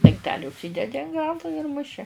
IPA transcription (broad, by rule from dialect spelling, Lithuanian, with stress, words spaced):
dɐŋkˈtʲæːlʲɪ ʊʃʲˈsʲiːdʲɛdʲɪ ɐn ˈɡɑːlˠʊ ɪr mʊˈʃʲɪ